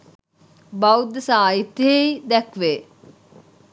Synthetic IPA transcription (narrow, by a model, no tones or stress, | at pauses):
bawd̪əsaːit̪eid̪ɛkʋeː